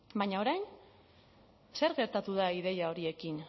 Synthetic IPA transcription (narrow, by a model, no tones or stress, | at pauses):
baɲao̞ɾajn | se̞ɾɣe̞ɾt̪at̪uð̞aiðe̞jao̞ɾie̞kin